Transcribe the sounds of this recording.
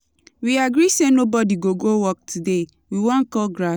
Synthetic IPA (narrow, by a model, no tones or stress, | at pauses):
wiaɡɾisenobɔdiɡoɡowɔk̚tʰude | wiwɔ̃nkɔlɡɹa